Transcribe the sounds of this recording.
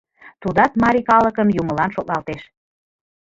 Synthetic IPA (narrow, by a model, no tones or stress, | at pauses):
t̪ud̪ɑt̪mɑɾikɑləkəmjuməlɑnʃot̪nɑlt̪eʃ